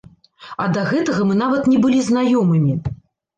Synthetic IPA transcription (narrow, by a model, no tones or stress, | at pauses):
ɐd̪ɐɣɛt̪ɐɣɐmɨn̪avɐt̪nʲɛbɨlʲiznajɔmɨmʲi